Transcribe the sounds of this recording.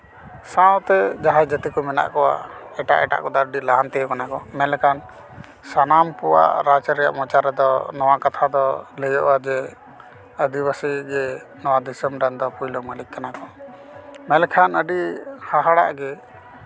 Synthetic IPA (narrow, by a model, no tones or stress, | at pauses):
sãwt̪ɛd͡ʒaɦad͡ʒət̪ikɔmɛna̰ʔkɔwa̰ɛʈa̰ʔɛʈa̰ʔkɔd̪aɾəɖilaɦant̪ɛjɔkanakɔmɛlkʰan | sanampuwa̰ʔɾat͡ʃəɾɛja̰ʔmɔt͡ʃaɾɛd̪ɔnɔwakat̪ʰad̪ɔləjɔʔwad͡ʒɛ | əd̪ibasiɡɛ | nɔwad̪isəmɾand̪ɔpujlɔməlikːanakɔ | mɛlɛkʰanəɖihaɦaɽa̰ʔɡɛ